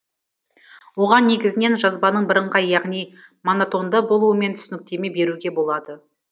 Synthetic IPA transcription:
wo̞ʁɑnːe̞ɡʲɪzɪne̞nʒɑzbɑnəɴbɪɾəɴʁɑjɑʁnijmonot̪o̞nd̪əbo̞lˠuəme̞nt̪ʰʏ̥sɪnɪk̚t̪e̞me̞be̞ɾuɡʲe̞bo̞lˠɑd̪ə

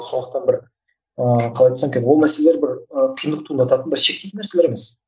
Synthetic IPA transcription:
so̞nd̪əq̚t̪ɑnbɪɾ | əqʰɑlˠɑjt̪ɑsɑŋkʲewo̞lˠmæseleleɾbɪɾəqʰijnd̪əq̚t̪ʰund̪ɑt̪ɑt̪ənbɪɾʃe̞k̚t̪et̪ɪnæɾse̞leɾeme̞s

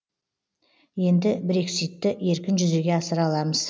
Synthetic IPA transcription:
je̞nd̪ɪbɪɾe̞ksijt̪ːɪe̞ɾkʲɪnʒʏze̞ɡʲe̞ɑsəɾɑlˠɑməz̥

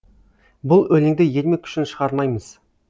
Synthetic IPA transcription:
bʊlˠɵlɪŋd̪ɪje̞lmekʲʰʏ̥ʃɪnʃəʁɑɾˠmɑjməz̥

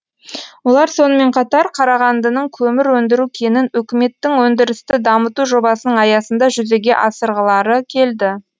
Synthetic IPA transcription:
wo̞lˠɑɾso̞nəme̞ɴqʰɑt̪ɑɾqʰɑɾɑʁɑnd̪ənəɴŋkʲʰɵmɪɾwɵnd̪ɪɾukʲʰe̞nɪnɵkʲɪme̞t̪ːɪŋwɵnd̪ɪɾɪst̪ɪd̪ɑmət̪uʒo̞bɑsənəɴɑjɑsənd̪ɑʒʏze̞ɡʲe̞̰ʔɑsəɾʁəlˠɑɾəkʲʰe̞ld̪ɪ

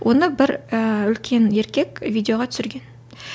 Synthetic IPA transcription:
wʔo̞nəbɪɾəʏlkʲʰe̞ne̞ɾkʲe̞kʲvʲid̪ʲeo̞ʁɑt̪ʰʏsɪɾɡʲe̞n

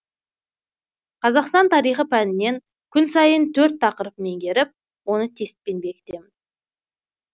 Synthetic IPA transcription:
qʰɑzɑqst̪ɑnt̪ʰɑɾijχəpʰænɪne̞ŋ | kʲʰʏnsɑjənt̪ʰɵɾt̪ʰːɑqəɾəpme̞ŋɡʲe̞ɾɪp̚ | wo̞nət̪ʰe̞st̪̚pe̞nbe̞kʲɪ̥t̪e̞mɪn

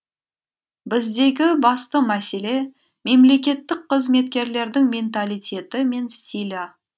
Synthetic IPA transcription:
bɪzd̪e̞ɡʲɪbɑst̪əmæse̞le̞ | me̞mle̞kʲe̞t̪ːɪk̚qʰəzme̞t̪̚kʲe̞ɾle̞ɾd̪ɪŋmʲe̞nt̪alijt̪ʲe̞t̪ɪme̞nst̪ʲilʲa

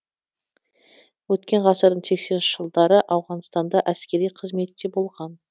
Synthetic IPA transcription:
wɵt̪̚kʲe̞ɴʁʰɑsəɾd̪əɴse̞kse̞nʃɪʒ̥əlˠd̪ɑɾəʔɑwʁɑnst̪ɑnd̪ɑʔæskʲe̞ɾijqʰəzme̞t̪ːd̪e̞bo̞lˠʁɑn

